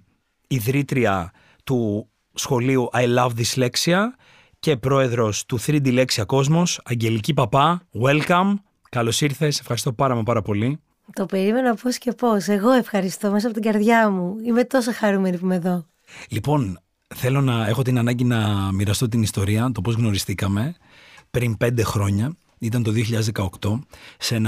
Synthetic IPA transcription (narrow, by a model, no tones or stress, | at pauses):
iðɾit̪ɾiɐ | t̪u | sxo̞liuʔɐjlɐvðisle̞ksiɐ | ce̞pɾo̞e̞ðɾo̞st̪uθɾid̪ile̞ksiɐko̞zmo̞sɐɲɟe̞licipɐpɐwelkɐm | kɐlo̞siɾθe̞se̞fxɐɾist̪o̞pɐɾɐmɐpɐɾɐpo̞li | t̪o̞pe̞ɾime̞noposce̞po̞se̞ɣo̞e̞fxɐɾist̪o̞me̞s̬ɐpo̞t̪iɡɐɾðʝɐmuime̞t̪o̞sɐxɐɾumeɾipumeðo̞ | lipo̞n | θe̞lo̞nɐe̞xo̞t̪inɐnɐɲɟinɐmiɾɐst̪o̞t̪̬inist̪o̞ɾiɐt̪o̞po̞zɣno̞ɾist̪ikɐme̞ | pɾinpe̞nd̪e̞xɾo̞ɲɐ | it̪ɐnt̪o̞ðioçiʎɐðezðekɐo̞kt̪o̞se̞nɐ